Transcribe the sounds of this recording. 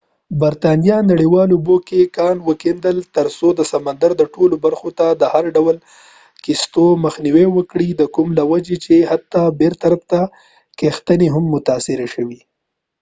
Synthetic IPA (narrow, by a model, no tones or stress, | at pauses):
baɾt̪ɑnijɑnaɽiwɑlubokekɑnwəkend̪əlt̪əɾsod̪əsamand̪aɾd̪əʈolobaɾxot̪ad̪əhaɾɖawəl | kist̪oməxniwewəkɽid̪əkumlawad͡ʒet͡ʃehat̪ːɑbeɾt̪aɾaft̪a | kext̪əneɦamːʊt̪ɑsɪɾaʃəwi